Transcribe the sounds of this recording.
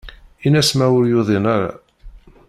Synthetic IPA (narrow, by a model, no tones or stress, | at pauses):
inæsmæwʊɾjʊðˤɪnaɾa̰